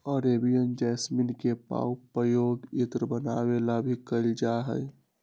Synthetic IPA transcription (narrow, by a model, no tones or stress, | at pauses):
ɔɾebijənd͡ʒɛsminkepa̰upɾəjoɡit̪ɾəbənawelabʱikəɪld͡ʒaɦə̰j